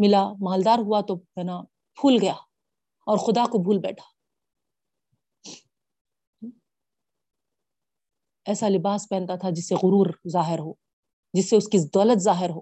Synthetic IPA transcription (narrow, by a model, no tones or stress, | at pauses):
mɪlamaːld̪aːɾɦuat̪oɦɛːna | bʱuːlɡɐjaː | ɔːɾxʊd̪akobʱuːlbɛ̰ːʈʰḁ | ɛːsalɪbaːspɛ̃ːnt̪at̪ʰad͡ʒɪsːeɣʊɾuːɾzaːɦɪɾɦoː | d͡ʒɪsːeʊskid̪ɔːlət̪zaːɦɪɾɦo̰ː